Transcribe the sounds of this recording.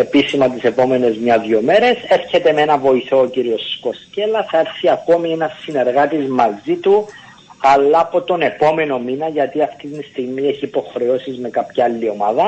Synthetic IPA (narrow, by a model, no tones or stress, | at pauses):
e̞pisimɐt̪̬ise̞po̞me̞ne̞zmɲɐðjome̞ɾe̞se̞ɾçe̞t̪e̞me̞nɐvo̞iθo̞ːciɾio̞sko̞sce̞lɐθɐe̞ɾθiɐko̞mie̞nɐsːine̞ɾɣɐt̪izmɐzit̪u | ɐlːɐːpo̞t̪o̞ne̞po̞me̞no̞minɐʝɐt̪iɐft̪it̪nist̪iɣmie̞çiːpo̞xɾe̞o̞sizme̞kɐpçɐɐlːio̞mɐðɐ